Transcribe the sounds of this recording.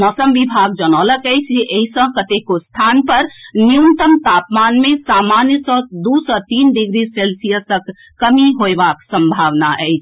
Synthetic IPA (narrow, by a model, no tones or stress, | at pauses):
mɔːsəmʋibʱaɡ̚d͡ʒənɔːləkɛjt͡ʃʰd͡ʒeʔeisə̃kət̪ekost̪ʰaːnpəɾnijunt̪əmt̪apmaːnmẽsamanjəsɔd̪usɔt̪iːnɖiɡɾiselsijəsəkː | əmiɦoeʋaksə̃mbʱaʋnaʔɛɪt͡ʃʰ